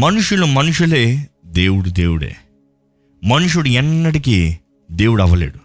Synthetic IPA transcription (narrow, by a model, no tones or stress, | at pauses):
mɐnuʂulumɐnuʂuleːd̪eːwuɽud̪ḛːwuɽḛː | mɐnuʂuɽuɛnːɐʈiki | d̪eːwuɽɐʋɐlḛːɽu